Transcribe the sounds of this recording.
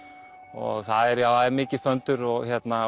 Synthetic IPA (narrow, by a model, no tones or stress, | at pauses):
ɔ̰ɣθaðɛɾjawaðɛɾmɪːcɪfœnt̪ʏɾɔɣçjɛt̪na